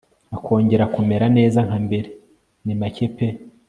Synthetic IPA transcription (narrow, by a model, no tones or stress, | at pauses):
akʰo̞ːɲɟe̞ɾakume̞ɾane̞ːzaŋhambe̞ɾe | nimacepe